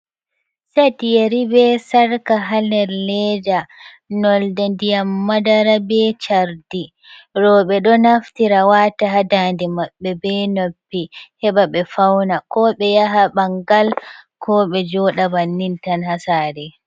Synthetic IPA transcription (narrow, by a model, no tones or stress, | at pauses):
satijeɾibɛsaɾkaɦalɛɾlɛda | nɔldɛndijamːadaɾabɛt͡ʃaɾdi | ɾɔɓɛɗɔnaftiɾawataɦadandimaɓːɛbɛnopːihɛɓaɓɛfawnakɔɓɛjaɦabaŋɡalkʰɔɓɛd͡ʒɔɗabanːintanhasaːɾɛ